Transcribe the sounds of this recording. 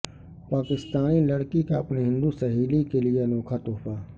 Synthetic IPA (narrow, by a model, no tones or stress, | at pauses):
paːkɪst̪aːnilɐɽkikaɐpniɦɪ̃nd̪usɐɦiːlikelienɔːkʰat̪oːfaː